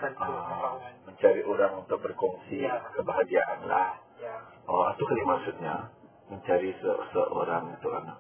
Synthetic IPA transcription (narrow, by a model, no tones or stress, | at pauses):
ʔə | məɲt͡ʃaɾiʔoɾaŋunt̪ʊk̚bərkɔŋsikəbaɦaɡiaʔanlah | ʔəa̰t̪ukalimaksut̪̚ɲa | məɲt͡ʃaɾisə̰səʔoɾaŋut̪ukanak̚